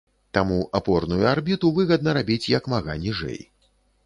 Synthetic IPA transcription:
t̪amuʔapɔrnujuarbʲit̪uvɨɣɐd̪̚nɐɾabʲit͡sʲjɐkmaɣa̰nʲiʐɛ̰j

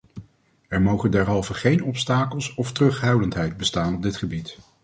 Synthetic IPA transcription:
ɛɹmowχəndɛɹɦɑlˠvəχejnɔpstaːkəlˠsɔftərɵχɦœɥdəntɦɛjd̚bəstaːnɔb̚dɪtχəbit

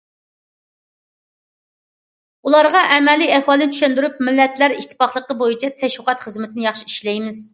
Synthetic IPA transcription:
ulˠɑɾʁɑʔɛmɛlːiɛhwɑːlˠɨnt͡ʃʰyʃɛnd̪yɾup̚mɪlːɛt̪ʰlæɾiʃt̪ʰɪ̥pɑχlˠəqːəbojit͡ʃʰɛt̪ʰɛʃwʊqɑt̪χəzmɪt̪ʰɪnɪjɑχʃiiʃlɛjmɪz

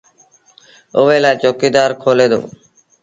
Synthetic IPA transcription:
oʋeːlaːt͡ʃoːkiːd̪aːɾkʰoːleːd̪o̰ː

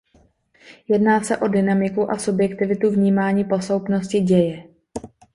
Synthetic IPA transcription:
jɛdnaːsɛʔo̞dɪnamɪkuʔasubjɛkt̪ɪvɪt̪uvɲiːmaːɲiːpo̞slowpno̞scɪɟɛjɛ

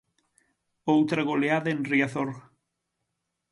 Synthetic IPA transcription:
owt̪ɾaɣoleaðenriaθoɾ

